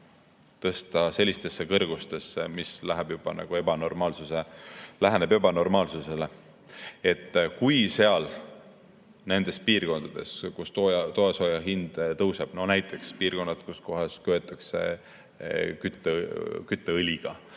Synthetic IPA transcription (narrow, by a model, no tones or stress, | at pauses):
t̪ɤst̪ɑse̞lʲːist̪e̞sːekɤrɡ̥ust̪e̞sːemislæɦeb̥jub̥ɑ̰nɑ̰ɡ̥ue̞b̥ɑno̞rmɑːlsuse̞læɦenebjebɑno̞rmɑːlsuse̞le | e̞t̪ˑːkujse̞ɑl | ne̞nd̪̥e̞spiːrko̞nd̪ɑd̪̥e̞̰skust̪ojɑt̪o̞eso̞jɑɦind̪̥t̪ɤwse̞b̥no̞næjt̪ʰːˑe̞kspiːrko̞nːɑd̪̥kusko̞ɦɑskø̞et̪ːˑɑkse̞̰ | kyt̪ːˑekyt̪ːˑeɯlʲiɡ̥ɑ